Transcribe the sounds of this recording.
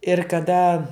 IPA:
ɪr kɐˈdɐ

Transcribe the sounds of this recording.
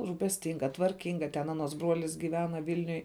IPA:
ruːpʲɛsʲˈtʲɪŋɡɐ tʋɐrʲˈkʲɪŋɡɐ tʲɛn ˈɑːnˌuɔs ˈbruɔlʲɪs ɡʲiːˈʋʲæːnɐ ˈʋʲiːlʲnʲʊj

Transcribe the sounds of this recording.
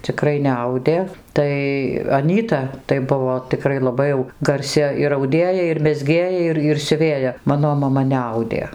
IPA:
t͡sʲɪˈkrɐɪ nʲɛˈɐʊdʲeː ˈtɐɪ ɐˈnʲiːtɐ tɐɪ ˈbʊʋoː tʲɪˈkrɐɪ lˠɐˈbɐɪ jɛʊ ɡɐrʲˈsʲɪ ɪr ɐʊˈdʲeːjɛ ɪr mʲɛzʲˈɡʲeːjɛ ˈɪr ɪr sʲʊˈʋʲeːjɛ ˈmɑːnoː mɐˈmɐ nʲɛˈɐʊdʲeː

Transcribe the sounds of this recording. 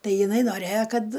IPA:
ˈtɐɪ jɪˈnɐɪ noːˈrʲeːjoː ˈkɐt

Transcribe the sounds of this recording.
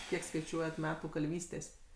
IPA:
ˈkʲiɛk skɐɪˈt͡ʃʲuɔjɛt ˈmʲæːtuː kɐlʲˈʋʲiːsʲtʲeːsʲ

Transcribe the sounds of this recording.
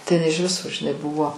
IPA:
tɐɪ ɪˈnɐɪ ɪʃ ˈʋʲɪsoː ʒʲɪˈnɐɪ ˈbʊʋoː

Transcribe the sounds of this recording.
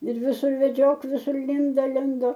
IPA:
ɪr ʋʲɪˈsʊr ʋʲɛˈd͡ʒʲoːk ʋʲɪˈsʊr ˈlʲɪndoː ˈlʲɪndoː

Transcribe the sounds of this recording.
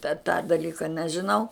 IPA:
tʲɛ tɑː dɐˈlʲiːkɐ nʲɛʒʲɪˈnɐʊ

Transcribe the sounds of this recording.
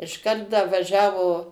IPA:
ɪʃˈkɐrt dɐ ʋɐˈʒʲæːʋoː

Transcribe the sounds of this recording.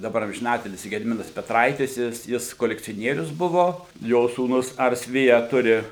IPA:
dɐˈbɐr ɐmʲʒʲɪˈnɑːtʲɪlʲsʲiː ɡʲɛdʲɪˈmʲɪnɐs pʲɛˈtrɐɪtʲɪs ˈjɪs ˈjɪs koːlʲɛkt͡sʲoːˈnʲiɛrʲʊs ˈbʊʋoː ˈjoː suːˈnʊs ˈɐrs ˈʋʲɪjɛ ˈtʊrʲɪ

